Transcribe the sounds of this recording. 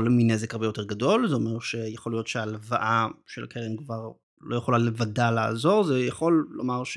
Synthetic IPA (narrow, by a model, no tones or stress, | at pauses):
lminezekaʁbejo̞teʁɡado̞lzeomeʁʃejaχolijo̞tʃealevaʔaʃela̰kʰelemkvaʁ | lojeχolalevadalaa̰zo̞ʁzejaχo̞lːo̰maʁʃ